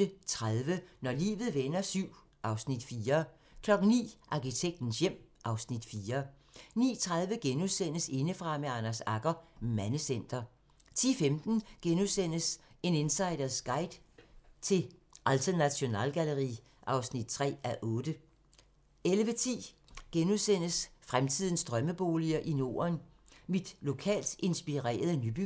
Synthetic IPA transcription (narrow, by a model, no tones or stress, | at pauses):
ət͡sʰʁaðˠʋənɒlḭːʋð̩ˠʋenɐsyʊ̰ | ʔɑ̈ʊsnid̥fiːɐ | kʰlɒ̽ɡ̥n̩nḭːʔɑ̈kit͡sʰeɡ̥̚d̥n̩sjem̰ʔɑ̈ʊsnid̥fiːɐnḭːt͡sʰʁað̞ˠʋəɡ̥enuðˠsen̰əse̝nəfʁɑ̈meɑnæsɑ̈ɡ̥ɐmænəsen̰d̥ɐ | t͡sʰḭːfemd̥n̩ɡ̥enusen̰əse̝ne̝nsɑ̈ɪdɐsɡ̥ɑ̈ɪd̥t͡sʰe̝l | ʔælt͡sʰɐnæɕo̝nɛ̰ːlɡ̥æləʁḭː | ʔɑ̈ʊsnid̥̚t͡sʰʁɛ̰ːæʔɔ̽ːd̥ə | elʋət͡sʰḭː | ɡ̥enusen̰əsfʁamt͡sʰið̞ˠn̩sd̥ʁɶməb̥o̝ːliɐʔino̝̰ːɐn | mid̥lo̝kʰɛ̰ːld̥e̝nsb̥iʁɛ̰ːɐð̞ˠənyb̥y